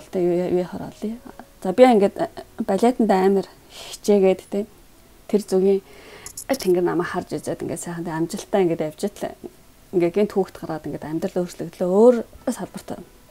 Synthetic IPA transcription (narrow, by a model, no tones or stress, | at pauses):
ɬt̪æjujeχɔ̰ɾɔ̰ɮiːt͡sapʲiaiŋɡet̪pæɮʲeːt̪ə̆nt̪ææːmʲə̆r | xixt͡ɕeːɣeːt̪t̪ʰeː | t̪ʰert͡suɣʲiːŋ | t̪ʰeŋɡɘ̆rnamæːkχart͡ɕit͡seːt̪ḭŋɡeːt̪sæːχə̆nt̪ːamʲt͡ɕɪ̆ɬt̪æːiŋɡeːt̪æw̥ʲt͡ɕɪ̆t̪ɮ | ŋɡet̪ɡiːnt̪ʰuːkt̪ɢaɾʁaːt̪ĭŋɡet̪æmʲt̪rə̆ɮo̥ːt͡ɕɮɘ̆kt̪ɮoːoːrsaɮpə̆r̥t̪æ̰n